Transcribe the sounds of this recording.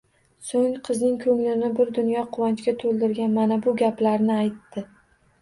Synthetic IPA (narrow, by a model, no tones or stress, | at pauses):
soŋqʰɨznɪŋkʰɵŋlɪnɪbɪɾd̪ʊnjɒqʰʊwant͡ʃkʲat̪ʰolˠd̪ɪɾɡʲanmanabʊɡʲaplaɾnɪajt̪ːɪ